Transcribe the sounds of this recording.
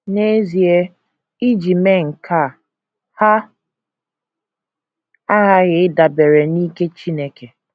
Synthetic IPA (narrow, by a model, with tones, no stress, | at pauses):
ne˦zi˨e˦ | i˦d͡ʒi˨me˦ŋ̩˨kʰa˦˨ | ha˦ | a˦ɣa˦ɣɪ˨ɪ˦da˨be˨ɾe˨niː˦ke˦t͡ʃi˦ne˦ke˨